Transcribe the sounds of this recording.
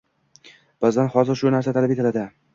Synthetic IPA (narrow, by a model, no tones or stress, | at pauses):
b̥azd̪anhɒzɪɾʃʊnaɾsat̪ʰalapet̪ɪlad̪ɪ